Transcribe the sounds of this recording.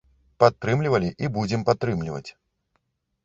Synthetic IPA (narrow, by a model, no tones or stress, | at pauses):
pat̪ːɾɨmlʲivɐlʲiʔibud͡zʲɪmpat̪ːɾɨmlʲivɐ̰t͡sʲ